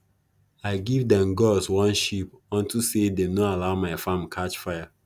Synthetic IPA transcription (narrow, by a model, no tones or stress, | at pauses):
aɪɡivdɛ̃mɡɔswɔ̃nʃipɔ̃ntʰusedenoalaʊmaɪfãmkʰat͡ʃfaja